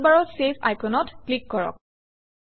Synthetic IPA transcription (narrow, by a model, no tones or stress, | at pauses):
baɹɔsepʰa̰jpʰonɔtklikːɔɹɔ̰k̚